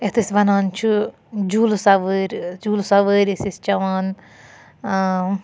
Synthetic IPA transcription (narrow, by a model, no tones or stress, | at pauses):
et̪ʰɨsbɐnaːnt͡ʃʰu | d͡ʒuːlsaʋəɾʲd͡ʒuːlsaʋəːɾʲesist͡ʃɐʋaːn